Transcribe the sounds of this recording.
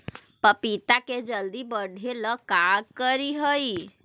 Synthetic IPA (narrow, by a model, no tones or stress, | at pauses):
pəpit̪aked͡ʒəld̪ibəɽʱeləkaɡ̚kəɾiɦəj